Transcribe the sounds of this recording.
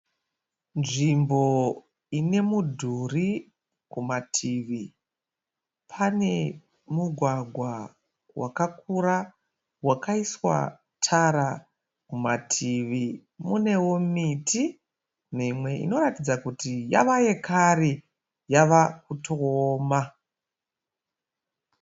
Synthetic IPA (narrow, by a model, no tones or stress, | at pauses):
nʐimbo̞ | ine̞mudʱuri | kumatʰiʋi | pʰane̞ | muɡʱwaɡʱwa | wa̰kakuɾa | wakaiswa̰ | tʰaɾa | kumatʰiʋimune̞wo̞miti | mimwe̞ʔḭno̞ɾatid͡zakutija̰ʋaje̞kaɾi | jaʋak̚utoːma